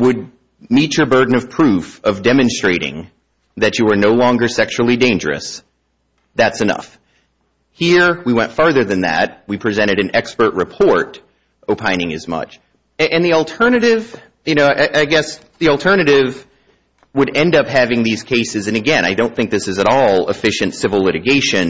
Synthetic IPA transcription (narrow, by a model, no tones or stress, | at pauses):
wəd̚ | mit͡ʃə˞bɜ˞dⁿn̩ʌv̥pʰɹ̥ʉfʌvdɛmɨ̃nstɹ̥eɪɾɪ̰̃ŋ | ðɨt͡ʃɨwə˞noʊlɔ̃ŋɡə˞sɛkʃul̩ˠidẽɪ̃nd͡ʒə̰˞ɨ̰s | ðætsɨnʌ̰f | hiɹwiwɛ̃ntfɑɹðə˞ðɨ̃nðæ̰t̚wipʰɹ̥izɛ̃ɾ̃ɨɾɨ̃nɛkspə˞ʔ̚ɹɨpʰɔɹɾ | ʔoʊpʰãɪ̃ñɪ̃ŋɨzmʌ̰t͡ʃ | ɨʔɨ̃nðilˠtʰɜ˞nɨɾɪv̥ | jɨñoʊʔaɪʔaɪɡɛs | ðil̩ˠtʰɜ˞nɨɾɪv | wəɾɛ̃ndʌpɦævɪ̃ŋðiz̥kʰeɪsɨzɨ̃nɨɡɛ̃ñaɪdõʊ̃nθɪ̃ŋk̚ðɪsɨzɨɾɔlˠəfɪʃɨ̃ntsɪvl̩ˠlɪɾɨɡeɪʃɨ̃n